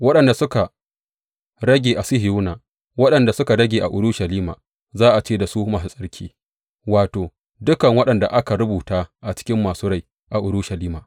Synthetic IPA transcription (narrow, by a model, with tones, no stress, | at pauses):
wɐ˦ɗɐ˨nda˨sʊ˦ka˨ | ɽɐ˦ɡʲeː˨ʔa˨sɪ˦hɪ˨ju˦naː˨ | wɐ˦ɗɐ˨nda˨sʊ˦ka˨ɽɐ˦ɡʲeː˨ʔa˨ʔʊ˨ɾʊ˦ʃɐ˨liː˦ma̰ː˨ | zaː˦ʔa˨t͡ʃeː˦˨da˨suː˦maː˨su˦sʼɐ˦ɽkʲʰḭː˦ | waː˨toː˨ | dʊ˦kɐ˨ŋwɐ˦ɗɐ˨nda̰˨ʔa˦ka˨ɽʊ˦buː˨taː˦ʔa˨t͡ʃɪ̥˦kʲɪ˦mːaː˨suː˦ɽa˦˨j | ʔa˨ʔʊ˨ɽʊ˦ʃɐ˨liː˦ma˨